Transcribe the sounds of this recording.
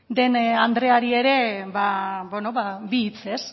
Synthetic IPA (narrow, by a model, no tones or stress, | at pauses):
d̪e̞nand̪ɾe̞aɾie̞ɾe̞βabonoβabiːt͡se̞s